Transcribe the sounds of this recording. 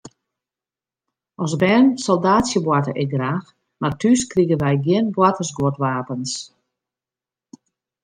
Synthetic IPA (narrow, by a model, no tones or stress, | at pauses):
ʔɔsbɛːnsɔlˠdaːsjəbwatə̰ʔɪɡraːx | martʰyskriɣənʋɛjɡjɪənbwatəsɡotʋaːpəns